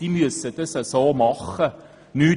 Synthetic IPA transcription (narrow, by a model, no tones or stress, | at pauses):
imyəsətəsəsɑːmɑχə | ny